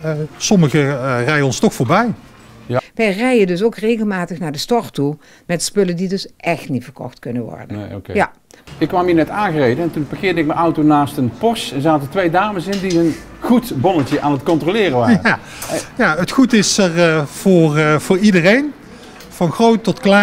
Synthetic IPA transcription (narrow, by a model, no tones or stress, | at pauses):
sɔməɣərɛjənɔnstɔxfʊːɹbɛj | ʋɛjrɛjəndɵsowkrejɣəlˠmaːtəxnaːɹdəstɔɹtu | mɛtspɵləndidɵsʔɛxtnitfəɹkɔ̰xtkɵnənʋɔ̰ɹdə̰kja | ɪkːʋamiːnɛtaːnɣərejdəɛntunbəɣɪːdəɪk̚məʔʌwtonaːstənpɔsɛnzaːtətʋejdaːməsɪndiɦən | χutbɔnətjəʔaːnətkɔntrolɪːrəʋaːəa | jaətxutɪsərv̥ʊːrv̥ʊːɹidərejn | vɑnxrowtːɔtkla